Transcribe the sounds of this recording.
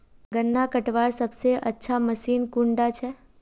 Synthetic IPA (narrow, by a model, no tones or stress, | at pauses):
ɡənːakəʈʋaɾsəbseʔətːʃʰaməʃinkuɳɖat͡ʃʰe